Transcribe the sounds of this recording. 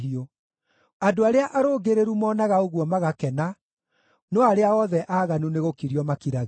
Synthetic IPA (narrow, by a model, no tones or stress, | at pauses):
io | adoaɾeaʔaɾoːɡeɾeɾumɔːnaɣaoɣwɔmaɣakɛna | nɔaɾeaɔðɛʔaːɣanuneɣokiɾiɔmakiɾaɣ